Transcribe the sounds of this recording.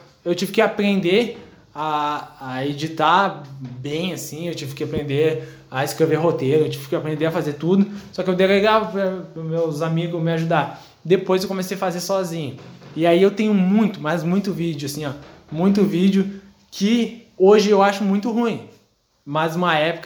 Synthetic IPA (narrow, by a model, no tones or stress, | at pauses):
ewt͡ʃivɪkɪapɾẽnd̪e | aː | ed͡ʒit̪abẽj̃asĩewt͡ʃivɪkɪapɾẽnd̪e | aɪskɾeveɦot̪eɾʊewt͡ʃivɪkɪapɾẽnd̪eɐfazet̪ud̪ʊsɔkɪewd̪eɡeɡapmewzamiɡʊmɪaʒud̪aɾ | d̪epojzewkõmesejɐfazesɔzĩɲʊɪaiewt̪ẽɲʊmũj̃t̪ʊmɐzmũj̃t̪ʊvid͡ʒʊasĩɲɔ | mũj̃t̪̬ʊvid͡ʒʊ | kʰɪ | oʒɪewaʃʊmũj̃t̪ʊɦũĩ | maznũmɐɛpʊ̥k